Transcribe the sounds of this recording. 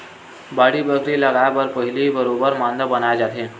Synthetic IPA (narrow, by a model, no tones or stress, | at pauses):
baɽiːbəɡɾiːləɡajabəɾpəɦilibəɾobəɾmand̪ʱəbənajd͡zat̪e